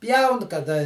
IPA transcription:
ˈpʲjɛʊn kɐˈdɐ

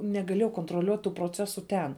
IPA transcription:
nʲɛɡɐˈlʲeːjɛʊ koːntroːˈlʲuɔtʲ tuː proːˈt͡sʲæːsʊ ˈtʲɛn

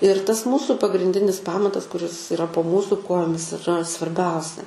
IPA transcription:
ɪr tɐs ˈmuːsuː pɐɡrʲɪnʲˈdʲɪnʲɪs ˈpɑːmɐtɐs kʊˈrʲɪs ɪˈrɐ poː ˈmuːsuː ˈkoːjoːmʲɪs ɪˈrɐ sʋɐrʲˈbʲɛʊsʲɛ

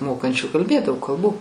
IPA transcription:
ˈmoːkɐnʲt͡ʃʲuː kɐlʲˈbʲeːt dɐʊk kɐlˠˈbuː

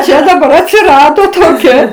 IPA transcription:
ˈt͡ʃʲɛ dɐˈbɐr ɐtʲsʲɪˈrɑːdoː toːˈkʲɛ

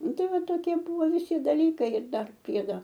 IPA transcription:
ˈnʊ ˈtɐɪ ˈʋɐ toːˈkʲiɛ ˈbʊʋoː ʋʲɪˈsʲɪ dɐˈlʲiːkɐɪ ɪr ˈdɐr ˈpʲrʲiɛdoː

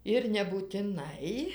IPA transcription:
ɪr nʲɛbuːtʲɪˈnɐɪ

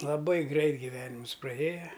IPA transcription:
lˠɐˈbɐɪ ˈɡrʲɛɪt ɡʲɪˈʋʲæːnʲɪmʊs prɐˈeːjɛ

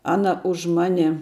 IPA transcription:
ˈɑːnɐ ʊʃ ˈmɑːnʲɛ

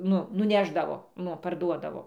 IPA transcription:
ˈnʊ nʊˈnʲæːʒdɐʋoː ˈnʊ pɐrˈduɔdɐʋoː

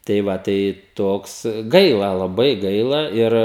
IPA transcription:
tɐɪ ˈʋɐ tɐɪ ˈtoːks ˈɡɐɪlˠɐ lˠɐˈbɐɪ ˈɡɐɪlˠɐ ˈɪr

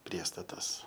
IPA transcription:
ˈpʲrʲiɛstɐtɐs

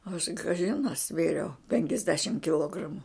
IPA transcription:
ɐʃ kɐˈʒʲɪn ɐ ˈsʲʋʲeːrʲɛʊ pʲɛŋʲkʲɛzʲˈdʲæːʃʲɪm kʲɪˈlˠoːɡrɐmʊ

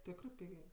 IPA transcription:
ˈtʲæːkrɜ ˈpʲɪɡʲeː

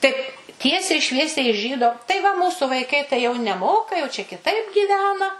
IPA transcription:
ˈtɐɪp ˈtʲiɛsʲɛɪ ˈʃʲʋʲiɛsʲɛɪ ɪʃ ˈʒʲiːdoː tɐɪ ʋɐ ˈmuːsʊ ʋɐɪˈkɐɪ tɐɪ jɛʊ nʲɛˈmoːkɐ jɛʊ t͡ʃʲɛ kʲɪˈtɐɪp ɡʲiːˈʋʲæːnɐ

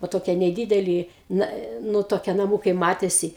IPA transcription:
ʋoː ˈtoːkʲiɛ nʲɛˈdʲiːdʲɛlʲɪ ˈnɐ ˈnʊ toːˈkʲiɛ nɐˈmuːkɐɪ ˈmɑːtʲeːsʲɪ

